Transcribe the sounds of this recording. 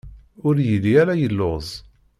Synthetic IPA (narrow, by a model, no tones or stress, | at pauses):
ʊɾjiliæɾæjəlːozˤ